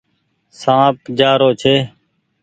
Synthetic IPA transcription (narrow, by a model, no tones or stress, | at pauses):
sãːp̚d͡ʒaːɾoːt͡ʃʰeː